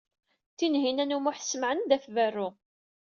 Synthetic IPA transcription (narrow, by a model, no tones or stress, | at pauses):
θinɦinænumʊħθsmʕənd̪æfværːʊ